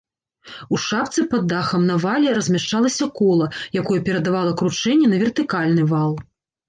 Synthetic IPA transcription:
uʂap̚t̪sɨpɐd̪ːaxɐmnɐvalʲɛɾɐzʲmʲaʂt͡ʂalˠɐsʲɐkɔlˠɐjakɔjɛpʲɛɾɐd̪avalˠɐkɾut͡ʂɛnʲːɛnɐvʲɛrt̪ɨkalʲnɨvalˠ

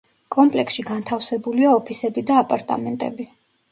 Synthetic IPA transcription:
kʼɔmpʼlɛksʃiɡant̪ʰafsɛbuliaɔpʰisɛbid̪aːpʼaɾt̪ʼa̰mɛnt̪ʼɛ̰bi

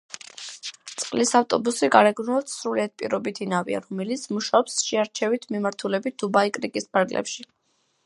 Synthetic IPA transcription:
t̪sʼqʼlisaft̪ʼɔbusiɡaɾɛɡnuɔpt̪sɾuliad̪̚pʼḭɾɔbit̪ʰinavḭa̰ɾɔmɛlit̪sʰmuʃaɔpsʃɛaɾt͡ʃʰɛvit̪ʰmimaɾt̪ʰulɛbit̪̚ʰd̪̥ubaikʼɾikʼispʰaɾɡlʔɛ̰pʃi

